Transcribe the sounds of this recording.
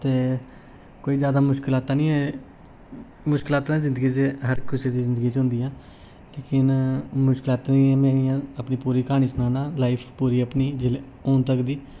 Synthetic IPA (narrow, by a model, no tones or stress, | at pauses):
t̪eː | koːiːzjaːd̪aːmʊʃkɪlaːt̪ãːnĩːɛː | mʊʃkɪlaːt̪ãːzɪnd̪əɡit͡ʃeɦəɾkɪseːd̪iːzɪnd̪əɡiːt͡ʃɦʊ̃nd̪iːãː | leːkɪnmʊʃkɪlaːt̪anĩɛːmɛ̃ːijãːəpniːpuːɾiːkaːɽ̃iːsənaːnãːlaːipʰpuːɾiːəpniːd͡ʒɪle | oːnt̪əkd̪iː